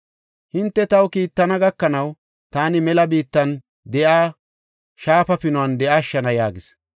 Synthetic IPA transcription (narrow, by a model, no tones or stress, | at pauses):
hɪnt̪ːɛt̪ɐwkiːt̪ːɐnɐɡɐkːɐnɐw | t̪aːnɪmɛlɐbiːt̪ːɐn | d̪ɛʔaː | ʃaːpɐpɪnʊɐnd̪ɛʔaːʃːɐnɐjaːɡɪs